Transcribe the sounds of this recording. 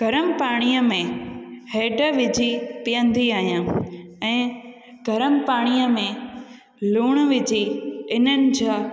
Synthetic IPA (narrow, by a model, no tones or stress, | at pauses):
ɡ̥ʱɐɾəmpaːɽ̃ijəmẽheːɖəʋɪd͡ʑʱitijə̃nd̪ʱiaːɦijãːɛ̃ː | ɡʱɐɾəmpaːɽ̃ijəmẽ | luːɽ̃ʋɪd͡ʑiɪnənɪ̆d͡ʑaː